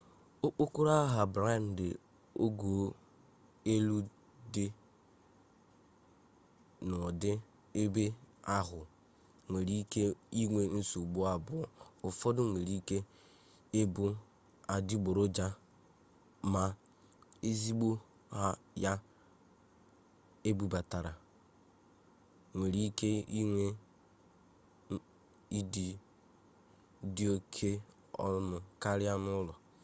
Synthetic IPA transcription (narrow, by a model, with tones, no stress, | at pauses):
o˦k͡po˦ku˦ɾa˦ɦa˨bɾa˦˨n̩˨dɪ˨ | o˦ɡo˨˦ | e˦lu˦ | dɪ˦ | nʊ˨dɪ˦ | e˦be˦a˦ɦʊ˨ | ŋʷe˨ɾi˦ke˦i˦ŋʷe˦n̩˦su˨ɡ͡bu˦a˦bʊ˨ʊ˨fɔ˦dʊ˦ŋʷe˨ɾi˦ke˦ | e˦bʊ˦ | a˨di˦ɡ͡bo˨ɾo˦d͡ʒa˦ | ma˨ | e˦zi˦ɡ͡bo˦ | ha˦ja˦ | e˦bu˨ba˨ta˨ɾa˨ | ŋʷe˨ɾi˦ke˦i˦ŋʷe˦ | i˦di˨ | di˦o˦kʰe˦ | ɔ̰˦mʊ˨ka˦ɾɪ˦a˦nʊ˦lɔ˨